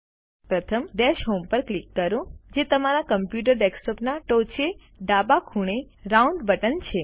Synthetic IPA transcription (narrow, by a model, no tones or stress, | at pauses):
pɾət̪ʰəmɖɛʃɦompəɾklikːəɾũd͡ʒet̪əmaɾakəmpjuʈ̬əɾɖeksʈɔpnaʈot͡ʃe | ɖabakʰuɳ̃eɾauɳɖbəʈənt͡ʃʰe